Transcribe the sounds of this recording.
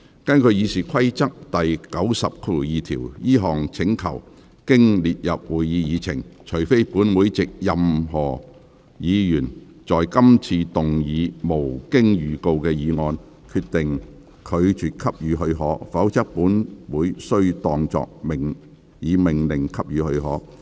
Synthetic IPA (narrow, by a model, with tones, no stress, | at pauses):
kɐ˥nkʰɵ˨˧ɥjiː˨˧siː˨˩kʰɐ˥jt͡sɐ˥k̚t̪ɐ˨jkɐ˨˥wsɐ˨p̚kʰo˨jiː˨˧t̪ʰiː˨˩wjiː˥ɦɔː˨ŋt͡sʰɪ˨˥ŋkʰɐ̰˨˩w | kɪ˥ŋliː˨t̚jɐ˨p̚wuː˨jːiː˨˧jiː˨˧t͡sʰɪ̰˨˩ŋt͡ʃʰɵ˨˩jfe˥jpuː˨˥nwuː˨˥jt͡sɪ˨k̚jɐ˨mɦɔː˨˩ | jiː˨˧jyː˨˩n | t͡sɔː˨jkɐ˥mt͡sʰiː˧t̪ʊ˨ŋjiː˨˧mo˨˩wkɪ˥ŋjyː˨ko˧wkɛː˧jiː˨˧ŋɔː˧n | kʰyː˧t̚t̪ɪ˨ŋ | kʰɵ˨˧ɥt͡ʃyː˨˩t̚kʰɐ˥p̚jyː˨˧ɦɵ˧ɥɦɔː˨˥fɐ˨˥wt͡sɐ˥k̚puː˨˥nwuː˨˥jsɵ˥ɥt̪ɔː˧ŋt͡ʃɔ̰ː˨k̚mɪ˨˩ŋ | jiː˨˧mɪ˨˩ŋlɪ˨˩ŋkʰɐ˥p̚jyː˨˧hɵ˧ɥɦɔː˨˥